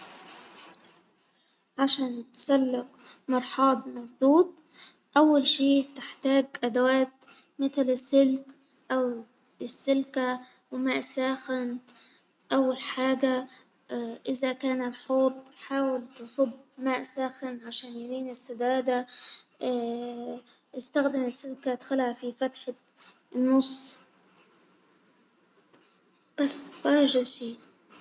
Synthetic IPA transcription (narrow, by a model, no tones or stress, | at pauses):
ʕaʃaːnt̪salːɪkmɑɾˤħɑːd̪ˤmɑsˤd̪uːt̪̚ˤ | ʔawːalʃiːt̪ɪħt̪aːɡʔad̪awaːt̪ | mɪt̪lɪsːɪlk | ʔaw | ɪsːɪlka | wmaːʔsaːxɪn | ʔawːalħaːɡa | ʔɪzakaːnɪlħoːt̪ˤħaːwɪlt̪ɨsˤɨb | maːʔsaːxɪnʕaʃaːnjaliːnɪsːad̪aːd̪a | ʔɪst̪axd̪ɪmɪsːɪlkad̪xʊlhafifat̪ħa | nːʊsˤ | b̥asːwaːʒɪdfiː